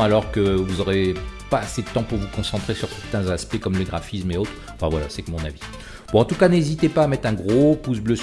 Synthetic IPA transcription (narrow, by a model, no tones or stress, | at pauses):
alɔʁkəvuzɔʁepaːsed̪ət̪ɑ̃puʁvukɔ̃sɑ̃t̪χesyʁsɛʁt̪ɛ̃zaspɛkɔmləɡʁafismeot̪χ | ɑ̃fɛ̃vwala̰sɛkmɔ̃navi | b̥ɔ̃ɑ̃t̪ukanezit̪epaːmɛt̪χɛ̃ɡʁopusblø